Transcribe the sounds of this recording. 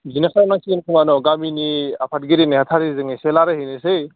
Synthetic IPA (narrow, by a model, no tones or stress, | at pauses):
zinakajamnasinkʰuŋanɔɡaminiapʰat̚ɡiɾinehatʰaɾizɯŋeselaɾɯhinɯsej